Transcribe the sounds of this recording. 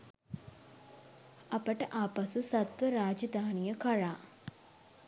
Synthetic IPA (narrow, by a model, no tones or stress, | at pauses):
ɐpəʈəʔaːpɐsusɐt̪ʋəɾaːd͡ʒəd̪aːnijəkɐɻaː